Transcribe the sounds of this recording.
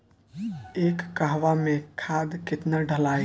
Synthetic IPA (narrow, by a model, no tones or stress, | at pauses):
eːkːaɦʋamẽkʰad̪kɪt̪naɖʱəlaj